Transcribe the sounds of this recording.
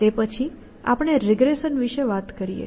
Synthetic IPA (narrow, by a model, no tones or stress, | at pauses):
t̪epət͡ʃʰi | a̰pəɳ̃eɾɪɡɾeʃənʋiʃeʋat̪kəɾijḛ